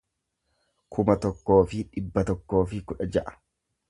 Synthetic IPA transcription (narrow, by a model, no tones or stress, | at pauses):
kʰʊmɐt̪ɔkːo̞ːfɪᶑɪbːɐt̪ɔkːo̞ːfɪkʊᶑɐd͡ʒɐʔɐ̥